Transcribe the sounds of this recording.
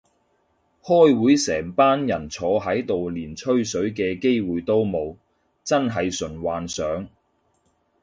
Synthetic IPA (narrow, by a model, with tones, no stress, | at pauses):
hɔː˥jwuː˨˥jsɛː˨˩ŋpaː˥njɐ˨˩nt͡sʰɔː˨˧ɦɐ˨˥jt̪o˨wliː˨˩nt͡ʃʰɵ˥ɥsɵ˨˥ɥk̬ɛː˧ke˥jwuː˨jt̪o˥wmo˨˧w | t͡sɐ˥nɦɐ˨jsɵ˨˩nwaː˨nsœː˨˥ŋ